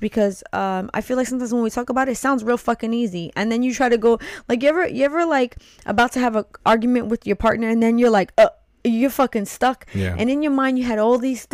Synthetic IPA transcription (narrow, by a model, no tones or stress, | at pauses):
b̥ɨkʰʌzʌ̃ma̰ɪfilˠaɪksʌ̃mtʰãɪ̃mzwə̃nwitʰɔkəbaʊɾɨtsãʊ̃ndzɹilˠfʌkɨ̃niziʔɨ̰̃nðɨ̃njɨtʰɹ̥aɪɾɨɡoʊlaɪk̬jɨɛvə˞jɨɛvə˞laɪk | ʔə̰baʊtʰɨːvəʔɑɹɡjmɨ̃nʔwɨðjə˞pʰɑɹtⁿnə˞ɨ̃nðɨ̃njə˞laɪkʌ | jə˞fʌkɪ̃ŋstʌkʔɨ̰̃nɨ̃njə˞mãɪ̃ndjɨɨɾɔlˠðiz̥st